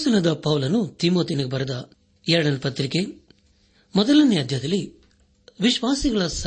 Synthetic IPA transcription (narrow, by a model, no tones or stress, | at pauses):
sunɐd̪ɐpɐʋlɐnut̪imo̞ːt̪iniɡebɐɾɐd̪ɐ | ɛɾɐɽɐnpɐt̪ɾike | mɔd̪ɐlɐnjaːd̪ʱjɐd̪ɐlːi | ʋiʃʋaːsiɡɐɭɐsɐ